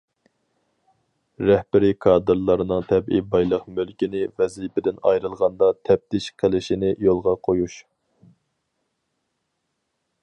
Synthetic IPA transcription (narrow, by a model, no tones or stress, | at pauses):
ɾɛhbɪɾɪkʰɑːd̪ɨɾlˠɑɾɨnɨŋt̪ʰɛbibɑjlˠəqmølkʲinɪvɛzipɪd̪ɪnɑ̰jɾɨlˠʁɑnd̪ɑt̪ʰɛp̚t̪ʰɪʃqʰəlɪʃinɪjolˠʁɑqʰojuʃ